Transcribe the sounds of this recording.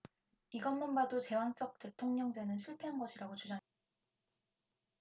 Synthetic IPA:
iɡʌnmunbadot͡ɕe̞waŋt͡ɕ͈ʌk̚t͈e̞tʰoŋɲʌŋd͡ʑenɯnɕʰuɭpʰeɦanɡʌɕʰiɾaɡot͡ɕud͡ʑaŋe

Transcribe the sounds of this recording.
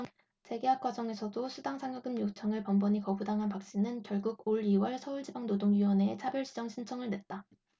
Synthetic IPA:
t͡ɕe̞ɡe̞ɦap̚k͈wad͡ʑʌŋe̞sʰʌdosʰudaŋsʰaŋɯɡɯmjot͡ɕʰʌŋɯɭpʌmbʌɲikʌbudaŋɦanpak̚ɕ͈inɯnkjʌɭɡuɡoɭiwʌɭsʰʌuɭd͡ʑibaŋnodoŋɥiwʌneːt͡ɕʰabjʌɭɕʰid͡ʑʌŋɕʰint͡ɕʰʌŋɯɭnwe̞t̚t͈a

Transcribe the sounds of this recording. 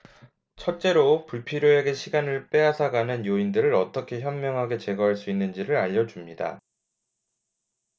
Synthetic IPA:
t͡ɕʰʌt̚t͡ɕ͈e̞ɾopuɭpʰiɾjoe̞ɡe̞ɕʰiɡanɯɭp͈e̞ɦasʰaɡanɯnjoindɯɾɯɾʌt͈ʌkʰe̞çjʌmmjʌŋɦaɡe̞t͡ɕe̞ɡʌɦaɭs͈uinːɯnd͡ʑiɾɯɾaʎːʌd͡ʑumɲida̰

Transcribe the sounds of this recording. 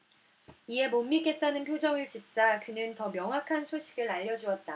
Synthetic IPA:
iɦe̞momːik͈e̞t̚t͈anɯnpʰjod͡ʑʌŋɯɭt͡ɕit͡ɕ͈akɯnɯntʌmjʌŋɦwakʰansʰoɕʰiɡɯɾaʎːʌd͡ʑuʌt̚t͈a

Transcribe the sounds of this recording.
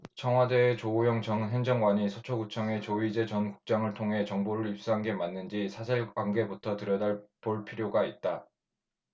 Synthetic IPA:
t͡ɕʰʌŋɦwade̞ːt͡ɕoojʌŋt͡ɕʌŋɦend͡ʑʌŋɡwaɲisʰot͡ɕʰoɡut͡ɕʰʌŋe̞t͡ɕoid͡ʑe̞t͡ɕʌnku̥k̚t͡ɕ͈aŋɯɭtʰoŋɦe̞t͡ɕʌŋboɾɯɾip̚s͈uɦanɡe̞manːɯnd͡ʑisʰasʰeɭwaŋɡe̞butʰʌtɯɾjʌdaɭpoɭpʰiɾjoɡait̚t͈a

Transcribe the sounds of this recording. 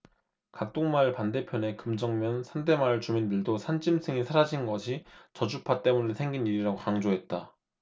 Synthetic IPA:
kak̚t͈oŋmaɯɭpande̞pʰjʌne̞kɯmd͡ʑʌŋmjʌnsʰande̞maɯɭt͡ɕumindɯɭdosʰand͡ʑimsʰɯŋisʰaɾad͡ʑinɡʌɕʰit͡ɕʌd͡ʑupʰat͈e̞munesʰe̞ŋɡiniɾiɾaɡokaŋd͡ʑoɦe̞t̚t͈a

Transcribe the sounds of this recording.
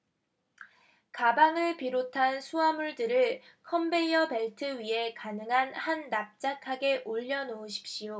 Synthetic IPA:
kabaŋɯɭpiɾotʰansʰuamuɭdɯɾɯɭ | kʰʌmbe̞iʌpe̞ɭtʰɯɥiɦe̞kanɯŋɦanhanːap̚t͡ɕ͈akʰaɡe̞ʔoʎːʌnoːɕʰi̥p̚ɕ͈ijo

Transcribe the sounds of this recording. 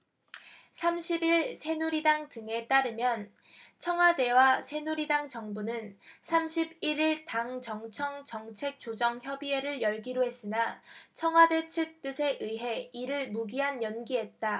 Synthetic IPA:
sʰamɕʰibiɭsʰe̞nuɾidaŋdɯŋe̞t͈aɾɯmjʌn | t͡ɕʰʌŋɦwade̞wasʰe̞nuɾidaŋt͡ɕʌŋbunɯnsʰamɕʰibiɾiɭtaŋt͡ɕʌŋt͡ɕʰʌŋt͡ɕʌŋt͡ɕʰe̞k̚t͡ɕ͈od͡ʑʌŋçjʌbiɦe̞ɾɯɭjʌɭɡiɾoɦe̞s͈ɯnat͡ɕʰʌŋɦwade̞t͡ɕʰɯk̚t͈ɯsʰe̞ʔɯɦe̞iɾɯɭmuɡiɦanjʌnɡiɦe̞t̚t͈a

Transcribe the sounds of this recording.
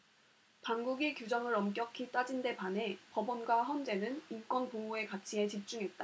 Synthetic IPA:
panɡuɡikjud͡ʑʌŋɯɾʌmk͈jʌkʰit͈ad͡ʑinde̞pane̞pʌbʌnɡwaçjʌnd͡ʑe̞nɯnimk͈wʌnpooe̞kat͡ɕʰie̞t͡ɕip̚t͡ɕ͈uŋɦe̞t̚t͈a

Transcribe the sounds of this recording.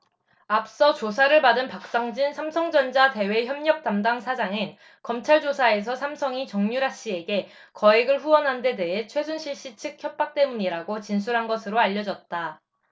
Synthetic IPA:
ap̚s͈ʌt͡ɕosʰaɾɯɭpadɯnpak̚s͈aŋd͡ʑinsʰamsʰʌŋd͡ʑʌnd͡ʑate̞we̞çjʌmɲʌk̚t͈amdaŋsʰad͡ʑaŋɯn | kʌmt͡ɕʰaɭd͡ʑosʰae̞s̬ʰʌsʰamsʰʌŋit͡ɕʌŋɲuɾaɕ͈ie̞ɡe̞ | kʌeɡɯɭɸuwʌnɦande̞de̞ɦe̞t͡ɕʰwe̞sʰunɕʰiɭɕ͈it͡ɕʰɯk̚çjʌp̚p͈ak̚t͈e̞muɲiɾaɡot͡ɕinsʰuɾɦanɡʌsʰɯɾoaʎːʌd͡ʑʌt̚t͈a

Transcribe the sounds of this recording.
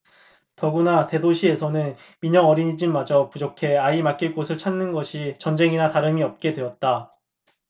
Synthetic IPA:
tʌɡunate̞doɕʰie̞sʰʌnɯn | miɲʌŋʌɾiɲid͡ʑiɭmad͡ʑʌpud͡ʑokʰe̞aimak͈iɭk͈osʰɯɭt͡ɕʰanːɯnɡʌɕʰit͡ɕʌnd͡ʑe̞ŋinataɾɯmiʌp̚k͈e̞dwe̞ʌt̚t͈a

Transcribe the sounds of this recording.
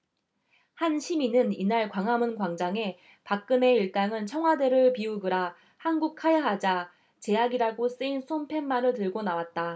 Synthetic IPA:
hanɕʰiminɯninaɭkwaŋɦamɯnkwaŋd͡ʑaŋe̞ | pak̚k͈ɯne̞iɭt͈aŋɯnt͡ɕʰʌŋwade̞ɾɯɭpiuɡɯɾa | hanɡuk̚kʰajaɦad͡ʑa | t͡ɕe̞aɡiɾaɡos͈ɯinsʰompʰe̞nːanɯɭtɯɭɡonawat̚t͈a

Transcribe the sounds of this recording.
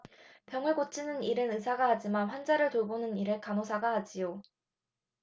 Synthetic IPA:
pjʌŋweɡot͡ɕ͈ʰinɯniɾɯnɯsʰaɡahad͡ʑimanɸwand͡ʑaɾɯɭtobonɯniɾekanosʰaɡahad͡ʑijo

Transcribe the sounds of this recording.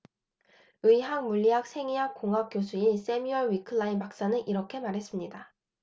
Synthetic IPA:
ɯiɦaŋmuʎːiɦak̚sʰe̞ŋiɦak̚k͈ːoŋɦak̚k͈josʰuis͈e̞miʌɭwikʰɯɭːainbak̚s͈anɯnʔiɾʌkʰe̞maɾɦe̞s͈ɯmɲida

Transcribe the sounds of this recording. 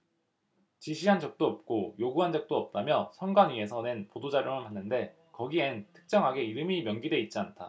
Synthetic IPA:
t͡ɕiɕʰiɦand͡ʑʌk̚t͈oʌp̚k͈ojoɡuɦand͡ʑʌk̚t͈oʌp̚t͈amjʌsʰʌŋɡwanɥie̞sʰʌne̞npodod͡ʑaɾjoŋɯnɦanːɯnde̞ | kʌɡientʰɯ̥k̚t͡ɕ͈ʌŋɦaɡe̞iɾɯmimjʌnɡidwe̞it̚t͡ɕ͈iantʰa

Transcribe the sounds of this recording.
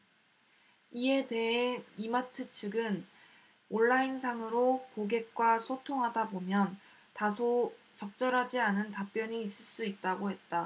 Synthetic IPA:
ie̞de̞ɦeimatʰɯt͡ɕʰɯɡɯn | oɭːainsʰaŋɯɾokoɡe̞k̚k͈wasʰotʰoŋɦadabomjʌn | tasʰo | t͡ɕʌk̚t͡ɕ͈ʌɾɦad͡ʑianɯntap͈jʌɲiːs͈ɯɭs͈uit̚t͈aɡoɦe̞t̚t͈a

